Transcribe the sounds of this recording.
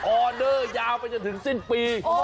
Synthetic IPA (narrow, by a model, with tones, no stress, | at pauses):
ʔɔ˨˧˩ɗəː˧˩zaː˧wfaː˨˦jt͡ɕə˨˧˩nt̪ʰɨ˨˦ŋsi˧˩ŋpi˧˩